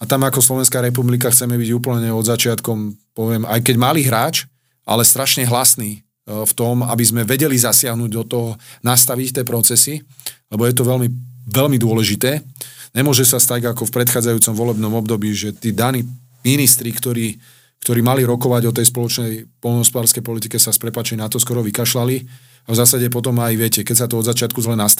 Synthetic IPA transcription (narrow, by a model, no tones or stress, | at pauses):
at̪amakɔslɔʋɛnskaːɾɛp̬ublikaxt͡sɛmɛbiɟuːpl̩ɲɛɔd̪zat͡ʃɪat̪kɔmpɔʋɪɛma̰jkɛɟmaliɦɾaːt͡ʃ | ʔa̰lɛst̪ɾaʃɲɛɦlasniː | ft̪ɔma̰bizmɛʋɛɟɛlizasɪaɦnuɟd̪ɔt̪ɔɦɔnast̪aʋict̪ɪɛːpɾɔt͡sɛsilɛbɔjɛt̪ɔʋɛlmiʋɛlmid̪ʊɔlɛʒit̪ɛːɲɛmʊɔʒɛsast̪aɟakɔfpɾɛt̪xaːd͡zajuːt͡sɔmʋɔlɛbnɔmɔbd̪ɔbiːʒɛt̪iːd̪aniː | minist̪ɾikt̪ɔɾiː | kt̪ɔɾiːmaliɾɔkɔʋaɟɔt̪̬ɛjspɔlɔt͡ʃnɛjpɔlnɔɦɔspɔd̪aːɾskɛjpɔlit̪ikɛsaspɾɛpaːt͡ʃɛjnat̪ɔskɔɾɔʋikaʃlali | avzaːsaɟɛpɔt̪ɔmajʋɪɛcɛkɛcsat̪ɔɔd̪zat͡ʃɪat̪kuzlɛnast̪